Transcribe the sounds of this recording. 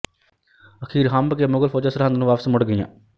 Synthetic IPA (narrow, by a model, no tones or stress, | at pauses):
əkʰiːɾɦambəkemʊɡəlfoːd͡ʒaːsəɾɦãnd̪nũʋaːpsmʊɽɡəjã̰ː